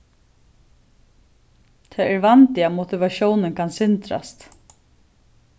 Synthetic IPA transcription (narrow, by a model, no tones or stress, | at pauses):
t̪ʰɛːæɹvant̪ɪamɔt̪ɪʋaʃɔwnɪnkʰansɪnt̪ɾa̰st̪